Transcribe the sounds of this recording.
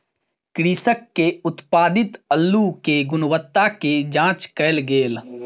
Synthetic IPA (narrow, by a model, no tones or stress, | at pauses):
kɾiːsəkːeʊt̪paːd̪ɪt̪əlːukeɡʊnwət̪ːaked͡ʒãːt͡ʃkəɪlɡeːl